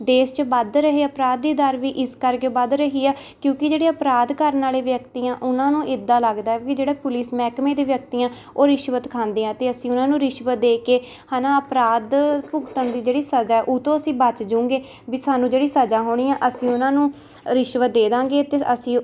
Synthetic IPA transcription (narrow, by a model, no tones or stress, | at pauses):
d̪eːst͡ʃəbəd̪ɾəɦeːəpɾaːd̪̚ːiːd̪əɾʋiːʔɪskəɾkebəd̪ɾəɦiːaːkjõːkɪd͡ʒeːɽeːəpɾaːd̪kəɾnaːleːʋjəkt̪iːãːʔʊnãːnũːʔɪd̪ːaːləɡd̪aːɛːkid͡ʒeːɽaːpʊliːsmɛːkmeːd̪eːʋjək̚t̪iːãː | oːɾɪʃʋət̪kʰãːnd̪eːãːt̪eːəsĩːʊnãːnũːɾɪʃʋət̪̚d̪eːkeː | haːnaːəpɾaːd̪pʊɡt̪əɳd̪iːd͡ʒeːɽiːsəd͡ʒaːɛːʔʊt̪õːəsĩːbət͡ʃd͡ʒʊ̃ːŋɡeː | biːsaːnːũːd͡ʒeːɽiːsəd͡ʒaːɦoːɽ̃iːãːʔəsĩːʊnãːnũː | ɾɪʃʋət̪̚d̪eːd̪ãːŋɡeːt̪eəsĩː